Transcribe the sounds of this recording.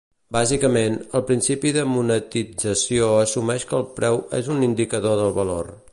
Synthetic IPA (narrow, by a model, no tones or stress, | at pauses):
bazikəmenəlˠpɾinsipiðəmunət̪id͡zəsioəsumɛʃkəlˠpɾɛwḛzunind̪ikəðoðəlˠβəlo̰r